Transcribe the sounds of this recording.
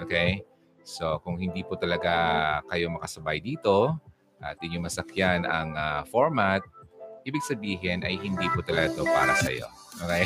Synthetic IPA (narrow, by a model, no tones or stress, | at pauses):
ʔokej | so̞kʊŋhɪnd̪iːpʊt̪ɐlɐɡakɐjo̞mɐkɐsɐbajd̪iːt̪o̞ | ʔɐ̰t̪ʔɪɲoŋmɐsɐkjanɐ̰ŋafoɹmat̪̚ʔiːbɪɡ̚sɐbiːɦɪnʔɐjhɪnd̪iːpʊt̪ɐlɐɡat̪opa̰ːɾɐsɐ̰jo̞̰ | ʔokej